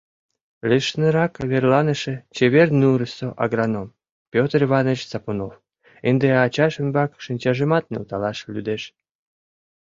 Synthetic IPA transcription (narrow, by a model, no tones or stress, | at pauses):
lʲeʃnəɾɑkβerlɑnəʃĕt͡ɕeβernuɾəsoʔɑɣɾɑnom | pʲot̪riβɑnət͡ɕsɑpunof | end̪eɑt͡ɕɑʃənbɑkʃinʲt͡ɕɑʒəmɑt̪̚nḛlt̪ɑlɑʃlʲyd̪eʃ